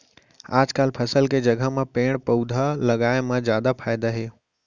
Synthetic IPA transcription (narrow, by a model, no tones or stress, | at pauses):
aːd͡ʒkaːlpʰɐsəlked͡ʒɐɡʱəmãpẽːɽ̃pəud̪ʱalɐɡaːɪmãzjaːd̪apʰaːɪd̪aɦeː